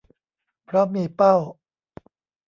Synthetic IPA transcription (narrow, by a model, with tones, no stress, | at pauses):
pʰɾɔ˦˥miː˧˩pa˥˩w